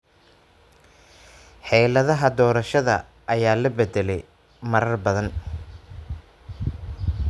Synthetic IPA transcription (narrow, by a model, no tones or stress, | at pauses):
ħɛjlɐðɐɦɐd̪ɔːɾɐʃɐðɐ̰ | ʔɐjaːlɐbɛd̪ɛlɛj | mɐɾɐrbɐðɐn